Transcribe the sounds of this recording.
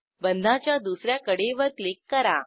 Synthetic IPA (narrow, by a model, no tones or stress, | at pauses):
bənd̪ʱat͡ɕjad̪usɾjakəɽeʋəɾklikːəɾa